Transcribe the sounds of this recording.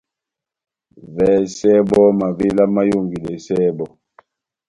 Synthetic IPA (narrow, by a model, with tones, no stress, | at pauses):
vɛ˨˦sɛ˦bɔ˦ma˨ve˦la˦ma˦jo˦˨ŋɡi˨lɛ˨sɛ˦bɔ˨